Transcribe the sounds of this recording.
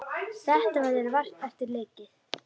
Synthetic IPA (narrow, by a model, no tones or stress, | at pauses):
θɛht̪avaðɛɾvar̥t̪ɛft̪ɪɾleːjcɪθ